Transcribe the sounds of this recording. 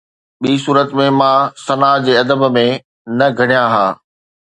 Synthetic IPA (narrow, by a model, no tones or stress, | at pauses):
ɓiːs̬uːɾət̪mẽmãːsɐnaːd͡ʑeːɐd̪əbmẽ | nɐɡʱɐɽ̃jãɦaː